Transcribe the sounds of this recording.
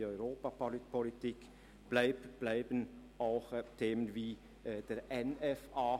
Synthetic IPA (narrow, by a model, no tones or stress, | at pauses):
ɔʏʁoːpapolpʰɔlɪtʰik | b̥laɪb̥læɪbən | aʊxt̪ʰeːmənviː | d̥eːɾʔɛnɛfaː